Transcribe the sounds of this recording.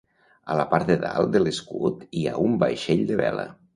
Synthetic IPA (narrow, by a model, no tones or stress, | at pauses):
ələpaɾt̪eðalˠd̪əleskut̪iaumbajʃeʎd̪əβɛlə̰